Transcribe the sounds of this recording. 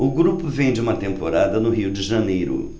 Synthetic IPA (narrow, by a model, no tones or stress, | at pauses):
ʊɡɾupʊvẽj̃d͡ʒɪũmɐt̪ẽmpoɾad̪ɐnʊɦiwd͡ʒɪʒɐnejɾʊ̰